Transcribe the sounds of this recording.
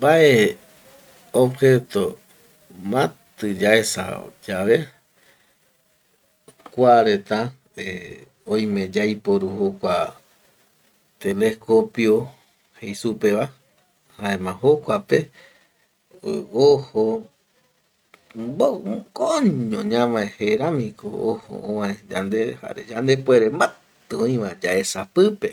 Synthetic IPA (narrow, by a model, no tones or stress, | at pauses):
mbaʔe | obhet̪o | mãt̪ɨd͡ʒaesa̰d͡ʒaβe | kʷaɾe̞t̪a | e | õj̃mẽd͡ʒajpoɾuhokʷa | t̪eleskopio | hejsupeβa | haẽmãɦokʷape̞ | oho | bokoɲõɲãmãẽheɾãmĩko̰oho̰õwãẽd͡ʒa̰nd̪eha̰ɾed͡ʒand̪epweɾema | t̪ɨõĩʋãd͡ʒae̞sapɨpe